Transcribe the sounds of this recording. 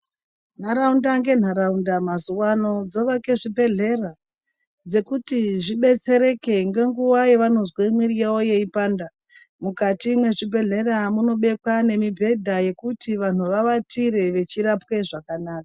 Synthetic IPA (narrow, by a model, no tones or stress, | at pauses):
n̤aɾaundaŋɡe̞n̤aɾaundamazuwano̞d͡zo̞ʋake̞ʐibʱe̞ɮe̞ra | d͡ze̞kutiʐiɓe̞t͡se̞ɾe̞ke̞ŋɡe̞ŋɡuwajeʋano̞zweimwirijewojeipaːnda | mukatimwe̞ʐibʱe̞ɮe̞ramuno̞ɓe̞kwane̞mibʱe̞dʱaje̞kutiʋan̤uʋaʋatʰiɾe̞ʋe̞t͡ʃiɾapwe̞ʐakanaːkḁ